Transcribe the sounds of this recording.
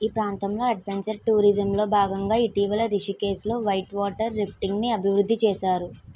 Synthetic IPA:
iːpɾaːnt̪ɐmlo̞ːɐɖ̚ʋeɲt͡ʃɐɾʈuːɾid͡ʒɐmlo̞ːbʱaːɡɐŋɡaːiʈiːʋɐlɐɾiʂike̞ːslo̞ːʋɐjʈʋaːʈɐɾːipʰʈiŋɡniɐbʱiʋɾud̪ʱːit͡ʃɛːʃaːɾu

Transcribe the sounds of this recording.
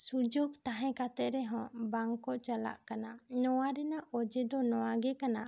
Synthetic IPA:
sud͡ʒoɡt̪aɦɛ̃kat̪ɛʔ̪̚ɾɛɦɔ̃baŋkɔʔt͡ʃala̰ʔkananɔwaɾɛnaʔʔɔd͡ʒɛd̪ɔnɔwaɡɛkana

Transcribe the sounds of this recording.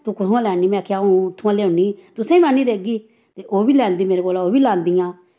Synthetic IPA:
t̪ũːkʊt̪ʰãːlɛːniːmɛ̃ːkʰaːũːʊt̪ʰːʊãːlɛːʊniːt̪ʊsɛ̃ːĩːʋaniːd̪eːɡiː | t̪eːʔoːbiːlɛ̃ːnd̪iːmeːɾeːkoːlaːoːbiːlɛːnd̪ijãː

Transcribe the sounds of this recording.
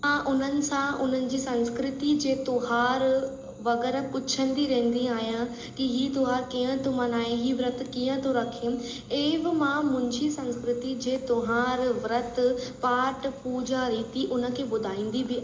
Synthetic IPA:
ãʔʊn̤ənɪ̆sãʊn̤ənɪ̆d͡ʑiːsɐ̃nskɾɪt̪id͡ʑeːt̪ʊɦaːɾ | ʋɐɣɛːɾəpʊt͡ɕʰə̃nd̪iɾẽɦn̆d̪iaːɦijã | kiɦiːt̪ʊɦaːɾkiːə̃t̪ʰomanaːɦeɦiːʋɾət̪kiːə̃t̪ʰoɾɐkʰijũ | eːʋɪ̆mãmʊ̃ɪ̃ɲd͡ʑisɐ̃nskɾɪt̪id͡ʑeːt̪oɦaːɾʋɾət̪paːʈpuːd͡ʑaɾiːt̪iʔʊnə̆kʰeːbʊd̪ʱaːĩːn̆d̪ibɪ

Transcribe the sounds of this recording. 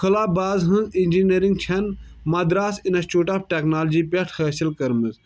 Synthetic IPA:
kʰɐlaːbaːzɦɨ̃nzinʲd͡ʒiniɾiŋɡt͡ʃʰɐn | mɐd̪ɾaːsinɐsʈuːʈaːbʈeknaːld͡ʒipʲeʈʰhɐːsilkɐɾmɨz

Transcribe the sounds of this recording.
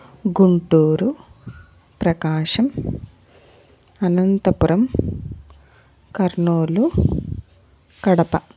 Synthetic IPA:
ɡuɳʈuːɾu | pɾɐkaːʂɐm | ɐnɐnt̪ɐpuɾɐm | kɐɾɳoːlu | kɐɽɐpɐ

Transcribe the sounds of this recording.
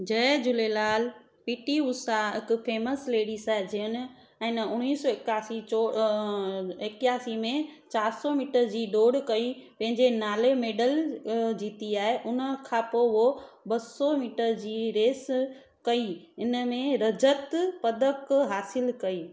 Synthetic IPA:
d͡ʑɐd͡ʑʊlelaːl | piːʈiʊsaɦɪkʊ̆fʰeːməsleːɽisaːɦed͡ʑiɦən̆ | ɛ̃ːnɐʊñiːsɔːɪkaːsioː | ɪkjaːsimẽt͡ɕaːɾsɔmiːʈəɾd͡ʑiːɖoːɽkɐi | pɐ̃ɦɪ̃ɲd͡ʑenaːlemeːɖəld͡ʑiːt̪iaːɦeʔʊnə̆kʰãːpoɦo | bɐsɔmiːʈəɾd͡ʑiːɾeːs | kɐi | ɪnəmẽɾɐd͡ʑət̪pɐd̪ʱəkɦaːsɪlkɐiː

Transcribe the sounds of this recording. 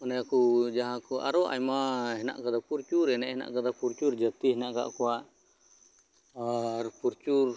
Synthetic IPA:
manajakud͡ʒaɦakuʔa̰ɾɔʔa̰jmaɦɛna̰ʔkad̪apuɾt͡ʃuɾɛnaɦɛna̰ʔkad̪apuɾt͡ʃurd͡ʒat̪iɦɛnaʔka̰ʔkuaʔ | rpuɾt͡ʃur

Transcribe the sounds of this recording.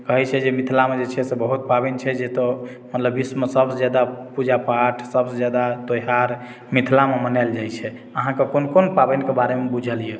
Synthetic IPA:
kəɦɛt͡ʃʰɛd͡ʒemit̪ʰlamed͡ʒet͡ʃʰɛsebəɦut̪̚pabɛnit͡ʃʰɛd͡ʒet̪ɔ | mət̪ləbːismesəbsed͡ʒad̪apud͡ʒapaʈʰsəbsed͡ʒad̪at̪oɦaɾ | mit̪ʰlamemənajld͡ʒajt͡ʃʰɛ | əɦãkekonkonpabɛnkebaɾemebud͡ʒʱəlije

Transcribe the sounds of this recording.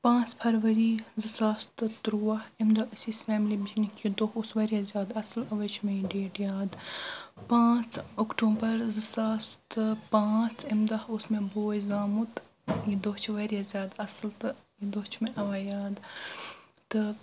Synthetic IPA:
pãːt͡spʰɐɾʋɐɾiːzɨsaːst̪ɨt̪ɾuːɐimd̪ɐɨsiːsfɛːmlibitʰnikʰjid̪oɦusʋɐɾʲjazjaːd̪ɐslɐʋɐt͡ʃʰmẽɖeːʈjaːd̪pãːt͡sokʈuːbɐɾzɨsaːst̪ɨpãːt͡sʰɐmd̪ɐhosmẽboːjizaːmut̪ | jid̪oɦt͡ʃʰʋɐɾjazʲjaːd̪ɐslt̪ɨjid̪oːt͡ʃʰmẽʔɐʋaːjaːd̪ | t̪ɨ

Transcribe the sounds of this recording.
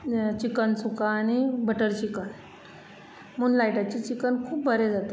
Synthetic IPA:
t͡ɕikənsukãːñibəʈəɾt͡ɕikən | muːnlajʈat͡ɕiːt͡ɕikənkʰuːp̚bʱəɾed͡zat̪a

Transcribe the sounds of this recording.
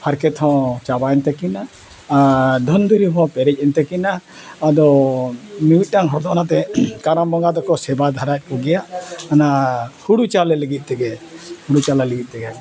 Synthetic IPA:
pʰaɾkɛt̪ʰɔ̃t͡ʃabaɛnt̪ɛkina | ad̪ʱɔnd̪ʱuɾiɦɔ̃pɛɾɛc̚ˀɛnt̪ɛkinaː | d̪ɔ | miwic̪̚ˀʈaŋɦɔɾd̪ɔnat̪ɛkaɾambɔŋɡad̪ɔkɔsɛbad̪ʱaɾac̚ˀkɔɡɛjaʔanahuɽut͡ʃalɛləɡit̪̚ˀt̪ɛɡɛhuɽut͡ʃalɛləɡit̪̚ˀt̪ɛɡɛ

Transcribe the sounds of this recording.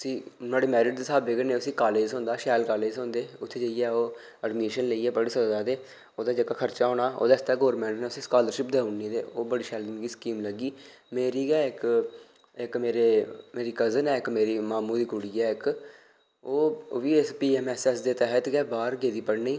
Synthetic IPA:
əsĩːnaːɽeːmɛːɾɪɖ̚d̪sʰaːbeːɡəneːʊsĩːkaːleːd͡ʒõːnd̪aːʃɛːlkaːleːd͡ʒsõːnd̪eːʊt̪ʰːeːd͡ʒəijɛːoː | əɖmeːʃənləiːɛːpəɽeːsəɾd̪aːd̪eː | oːd̪aːd͡ʒəkaːkʰəɾt͡ʃaːɦõːɽaːo̰ːd̪aːɪst̪aːɡoːɾmɛ̃ːɳʈnɛːʊsĩːskaːləɾʃɪpd̪eːʊɳːiːd̪ḛːoːbəɽiːʃɛːlnɡiːskiːmləɡiː | meːɾiːɡɛːɪk | ɪkmeːɾeːmeːɾiːkəzənɛːɪkmeːɾiːmaːmũːd̪iːkʊɽiːɛːɪk | oːʋiːɪspiːɛːmɛːsɛːsd̪eːt̪ɛɦət̪ɡɛːbaːɾɡeːd̪iːpəɽniː

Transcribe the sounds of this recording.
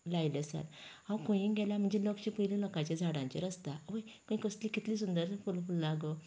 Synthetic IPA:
lajləsa̰t̪ãwkõj̃ĩɡɛlam̤əɳd͡zelɔkt͡ɕipəjlilɔkat͡ɕad͡zʱaɽãɲt͡ɕḭɾəst̪aʋəjkə̃ĩkəslikit̪liːs̬und̪əɾfulfullaɡo

